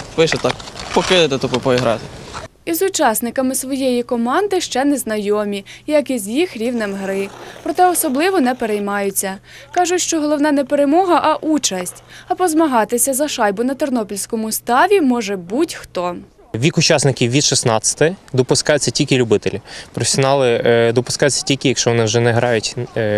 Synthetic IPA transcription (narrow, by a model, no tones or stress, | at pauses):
ʋɪʃɛt̪ɑkpɔkɪd̪ɪt̪et̪ɔpɔpɔiɦɾɑ̰t̪ɪizʊt͡ʃɑsnɪkɐmɪsʋɔjejikɔmɑnd̪ɪʃt͡ʃɛnɛznɐjɔmʲijɐkizʲjixɾʲiwnɪmɦɾɪpɾɔt̪ɛɔsɔblˠɪʋɔnɛpeɾɛjmɑjʊt͡sʲːɐ | kɑʒʊtʲʃt͡ʃɔɦɔlˠɔwnɑnɛpeɾemɔɦɐʔɐʔut͡ʃɐsʲtʲɐpɔzmɐɦɑt̪ɪsʲɐzɐʃɑjbʊnɐt̪ernɔpʲilʲsʲkɔmʊst̪ɑʋʲimɔʒɛbutʲxt̪ɔ | ʋʲikʊt͡ʃɑsnɪkʲiwʋʲid̪ʃɪsnɑt͡sʲɐ̥t̪ɪd̪ɔpʊskɑjʊt͡sʲːɐtʲilʲkɪlʲʊbɪt̪elʲipɾɔfe̥sʲɔnɑlˠɪd̪ɔpʊ̥skɑjʊt͡sʲːɐ̥tʲilʲkɪjɐkʃt͡ʃɔʋɔnɪwʒɛnɛɦɾɑjʊtʲ